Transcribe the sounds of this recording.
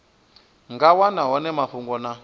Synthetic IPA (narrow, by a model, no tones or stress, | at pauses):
ŋɡawanaɦɔnɛmaɸuŋɡɔna